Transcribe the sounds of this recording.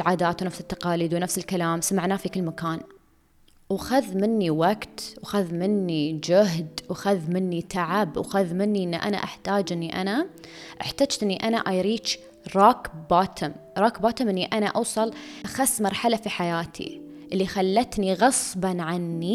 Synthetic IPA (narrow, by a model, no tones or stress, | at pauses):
ʕaːd̪aːt̪wnafsɪt̪ːɑqɑːliːd̪wnafsɪlkalaːmsamaʕnaːfikɪlːmakaːn | wxaðmɪnːiwaɡt̪wxaðmɪnːid͡ʒʊɦd̪wxaðmɪnːit̪ʰaʕabwxaðmɪnːiʔɪnːʔa̰na̰ʔaħt̪aːd͡ʒʔɪnːiʔa̰naʔaħt̪aːd͡ʒt̪ʔɪnːiʔanaʔajɾiːt͡ʃ | ɾˤɑːkbaːt̪ʰɪmɾˤɑːkbaːt̪ɪmʔɪnːiʔanaʔɑwsˤɑlʔaxasːmɑɾˤħalafiħajaːt̪ʰḭ | ʔɪlːixalːat̪niɣɑsˤbɑnʕanːi